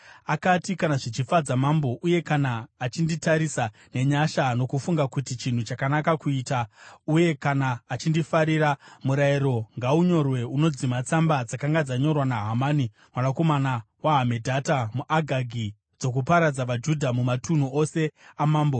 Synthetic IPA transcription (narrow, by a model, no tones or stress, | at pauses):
akatikanaʐit͡ʃifad͡zamambo̞ʔuje̞kanaːt͡ʃinditaɾisa | ne̞ɲaʃano̞kufuŋɡakutit͡ʃin̤ut͡ʃakanakakuiːtauje̞kanaːt͡ʃindifaɾiɾamuɾairo̞ŋɡauɲo̞rwe̞uno̞d͡zimat͡sambad͡zakaŋɡad͡zaɲo̞rwanaɦamaːni | mwanako̞manawaɦame̞dʱatamuʔaɡʱaɡʱi | d͡zo̞k̬upaɾad͡zaʋad͡ʒudʱamumatun̤uo̞se̞amaːmbo̞